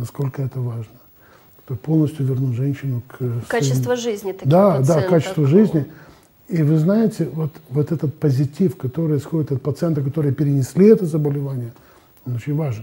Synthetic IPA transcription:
nɐsko̞lʲkəɛt̪əvaʐnə | kɐt̪opo̞lˠnəsʲtʲjʊvʲɪrnuʐɛnʲɕːɪnʊksaɪst̪vʐɨzʲnʲɪd̪ad̪akːat͡ɕɪst̪vəʐɨzʲnʲɪ | ivɨznajɪtʲɪvo̞t̪vo̞t̪ɛt̪ət̪̚pəzʲɪtʲifkɐt̪o̞ɾɨjɪsxo̞dʲɪt̪ɐt̪̚pət̪sɨɛnt̪əkɐt̪o̞ɾɨjəpʲɪɾʲɪnʲɪsʲlʲiɛt̪əzəbəlʲɪvanʲɪjə | o̞no̞t͡ɕɪnʲvaʐɨn

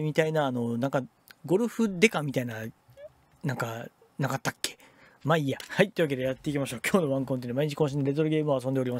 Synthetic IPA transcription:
mʲit̪ainaːno̞nãŋka | ɡo̞ɾɯ̟ɸɯ̟d̪e̞kamʲit̪aina | nãŋka | nakat̪ːakːe̥ | maiːahait̪ːeiɯβake̞d̪e̞jat̪ːe̞ikʲimaɕo̞ːkʲo̞ːnoβãŋkɯont̪einmaiɲ̟it͡ɕi̥kõ̞ɕĩnd̪ɾe̞t̪oɾɯɡe̞ːmɯ̟oasõnd̪e̞ɾima

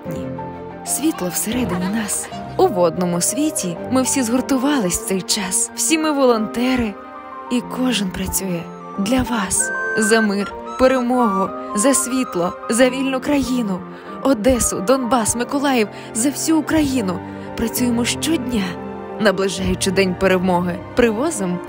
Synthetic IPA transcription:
nʲi | sʲʋʲit̪lˠɔwseɾɛd̪ɪnʲinɑsʊʋɔd̪nɔmʊsʲʋʲitʲimɪwsʲizɦɔrt̪ʊʋɑlˠɪsʲt̪sɛjt͡ʃɑsw̥sʲimɪʋɔlˠɔnt̪ɛɾɪ | ikʰɔʒɪnpɾɐt͡sʲujɛ | d̪lʲɐʋɑszɐmɪrpeɾemɔɦʊzɐsʲʋʲit̪lˠɔzɐʋʲilʲnʊkɾɐjinʊ | ɔd̪ɛsʊd̪ɔnbɑsmɪkɔlˠɑjiw | zɐwsʲuːkɾɐjinʊ | pɾɐt͡sʲujemɔʃt͡ʃɔdʲnʲa | nɐblˠɪʒɑjʊt͡ʃɪd̪ɛnʲpeɾewmɔɦɪpɾɪʋɔzɪm

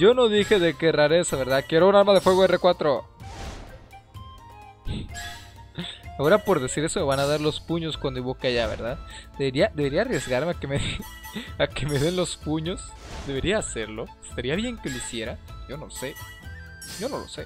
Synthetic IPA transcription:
ɟ͡ʝo̞no̞ðixe̞ðe̞keraɾe̞saβe̞ɾðakjeɾounalmaðe̞fwe̞ɣoere̞kwat̪ɾo | ao̞ɾapo̞ɾðe̞siɾe̞some̞βanaðaɾlo̞spuɲo̞skwand̪oiβokeaʝaβḛɾðaðd̪e̞βeɾiad̪e̞βe̞ɾiarje̞zɣaɾme̞akemeðe | ake̞me̞ðe̞nlo̞spuɲo̞s | d̪e̞βe̞ɾiaːse̞ɾlo̞e̥st̪aɾiaβje̞ŋke̞loisje̞ɾaɟ͡ʝo̞no̞lse̞ | ɟ͡ʝo̞no̞̰lo̞̰se̞

